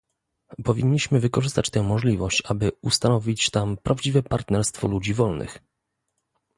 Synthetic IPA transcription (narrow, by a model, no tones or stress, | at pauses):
pɔvʲiɲːiɕmɘvɘkɔʐɘst̪at͡ɕt̪ɛw̃mɔʐlʲivɔɕt͡ɕabɘust̪anɔvʲit͡ɕt̪ampɾʔavd͡ʑivɛpaɾt̪nɛɾst̪fɔ̰lud͡ʑivɔlnɘ̰x